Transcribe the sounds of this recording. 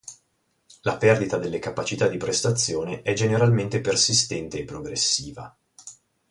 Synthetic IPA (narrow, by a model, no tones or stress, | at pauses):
lapɛrd̪it̪ad̪elːekapat͡ʃit̪ad̪ːipɾest̪at̪sːjoːneʔɛd͡ʒeneɾalment̪epersist̪ɛnt̪eːpːɾoɡɾesːiːva